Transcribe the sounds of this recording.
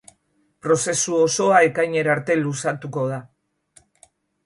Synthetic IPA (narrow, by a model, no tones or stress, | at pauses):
pɾo̞se̞suo̞so̞ae̞kajɲe̞ɾaɾt̪e̞lusat̪uko̞ð̞a